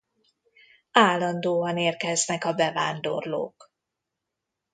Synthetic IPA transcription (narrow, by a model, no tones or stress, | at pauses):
aːlːɒnd̪oːɒneːrkɛznɛkɒbɛvaːnd̪o̞̰rlo̰ːk